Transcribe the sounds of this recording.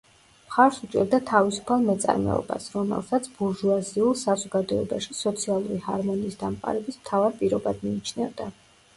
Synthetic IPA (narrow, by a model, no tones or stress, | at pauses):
mχaɾsut͡ʃʼɛɾd̪at̪ʰavisu̥pʰalˠmɛt̪sʼa̰ɾmɛ̰ɔ̰ba̰sɾɔmɛ̰lˠsat̪sʰb̥uɾʒuaziulˠsazɔɡad̪ɔɛbaʃisɔt̪sʰialˠuɾihaɾmɔniːsd̪amqʼa̰ɾɛbismt̪ʰavaɾpʼiɾɔbad̪miːt͡ʃʰnɛvd̪a